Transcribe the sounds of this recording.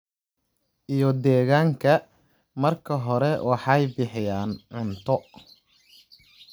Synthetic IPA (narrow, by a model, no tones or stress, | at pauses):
ʔijɔd̪ɛːɣaːŋkʰɐ | mɐrkʰɐɦɔɾɛwɑħɑjbɪħɪjaːnʕʊnt̪ʰɔ